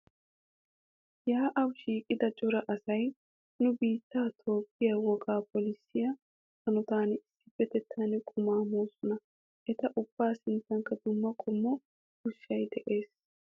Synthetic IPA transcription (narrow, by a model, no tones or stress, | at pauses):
jaːʔɐwʃiːkʼɪd̪ɐt͡ʃʼʊɾɐʔɐsɐj | nʊbiːt̪ːaːt̪ʰo̞ːpːɪjɐwɔkʼaːpɔlɪsːɪjɐ | hɐnɔt̪aːnɪsːɪbɛt̪ɛt̪ʰːaːnɛkʼʊmaːmoːsʊnɐ | ʔɛt̪ɐʔʊb̥ːaːsɪnt̪ːɐŋkːɐd̪ʊmːɐkʼʊmːɔ | hʊʃːɐjd̪ɛʔe̞ːs